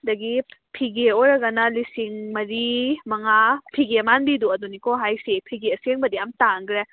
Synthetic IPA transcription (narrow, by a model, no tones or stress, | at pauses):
dɐɡipʰiɡeoɾɐɡɐnalisiŋmɐɾimɐŋapʰiɡemanbiduɐdunikɔɦajsepʰiɡeɐseŋbɐdijamtaŋɡɾe